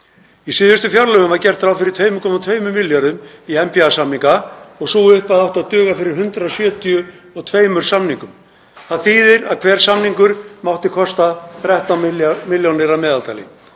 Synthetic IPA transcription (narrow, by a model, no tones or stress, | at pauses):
isɪːðʏst̪ʏfjawɾlœɣʏmvaɾcɛr̥t̪θɾawfɪɾɪɾ̥t̪ʰveːjmʏkʰɔmat̪ʰveːjmʏmɪlːjaɾðʏmiɛmpiasamniŋkaɔɣsuːʏhpaðawht̪aðt̪ʏːɣafɪɾɪɾ̥ɦʏnt̪ɾasjœːt̪ijʏ | ɔɣt̪ʰveːjmʏɾ̥samniŋkʏm | θaðθiːðɪɾa̰ðkʰv̥ɛːɾ̥samniŋkʏɾ̥mawt̪ɪkʰɔst̪aθɾɛht̪amɪljownɪɾamɛːðalt̪ajlɪ̰